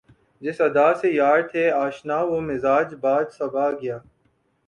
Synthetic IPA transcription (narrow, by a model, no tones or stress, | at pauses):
d͡ʒɪsɐd̪aːsejaːɾt̪ʰeːaːʃnaːʋomɪzaːd͡ʒbaːd̪sɐbʱaːɡɪjaː